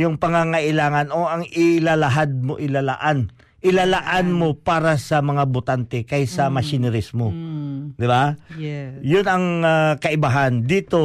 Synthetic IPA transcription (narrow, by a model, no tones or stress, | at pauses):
jʊŋpɐŋaŋaʔɪlaːŋanʔoʔɐŋɪlalɐɦad̪̚moʔɪlalaʔan | ʔɪlalaʔanmo̞paːɾasɐmɐŋabʊt̪ant̪ɛkajsɐmɐʃɪnɛɾɪsmo̞d̪ɪba | jʊnɐŋakɐʔɪbaɦand̪iːt̪o̞